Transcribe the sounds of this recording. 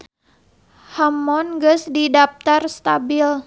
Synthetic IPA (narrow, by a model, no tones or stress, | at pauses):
hamɔnɡəsdidap̚t̪arst̪abil